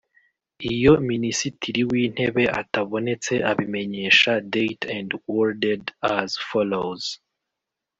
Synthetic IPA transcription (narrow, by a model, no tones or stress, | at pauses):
ijo̞minisitʰiɾiwiːn̥he̞βe̞ʔataβo̞ne̞t͡se̞ʔaβime̞ɲe̞ʃade̞jtʰandwoɾdedazfolowz̥